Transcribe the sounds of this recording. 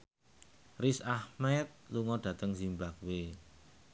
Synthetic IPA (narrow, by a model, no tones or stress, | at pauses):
risahmɛt̪̚luŋɔɖ̥ä̤t̪əŋzimbak̚we